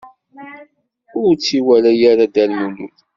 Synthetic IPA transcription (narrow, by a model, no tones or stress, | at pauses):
ʊɾt͡sːiwælajaɾad̪ælmumun